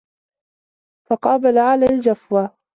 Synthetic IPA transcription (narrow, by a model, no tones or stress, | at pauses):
fɑqɑːbalaʕalaːld͡ʒafwa